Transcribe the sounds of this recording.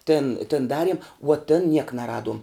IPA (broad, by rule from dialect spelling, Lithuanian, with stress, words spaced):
tʲɪn tʲɪn ˈdɑːrʲiɛm ʋuɔ tʲɪn nʲiɛk nɐˈrɑːduɔm